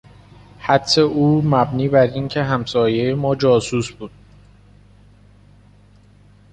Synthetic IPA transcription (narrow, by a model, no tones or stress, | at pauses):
hæt̪ʰseʔuːmæbniːbæɾincʰe̞ɦæmsɒːje̞jemɒːd͡ʒɒːsuːsbuːd̪̥̚